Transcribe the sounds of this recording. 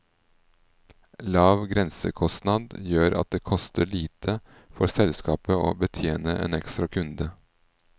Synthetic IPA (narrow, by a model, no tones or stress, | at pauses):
lɑːʋɡɾɛnsə̰kʰɔst̪nɑd̪jøːɾʔɑ̰t̪̚d̪eːkʰɔst̪əɭiːt̪ʰə | fɔɾsɛlskɑːpəo̰ːbət̪ʰjeːnəʔḛːnɛkst̪ɾɑkʰʉnd̪ə